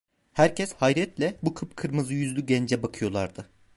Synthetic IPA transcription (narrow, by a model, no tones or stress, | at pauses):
hæɾcʰɛshajɾɛt̪lʲɛbukʰɯp̚kʰɯɾmɯzɯjyzlʲyɟɛnd͡ʒɛbakʰɯjo̞lˠaɾd̪ɯ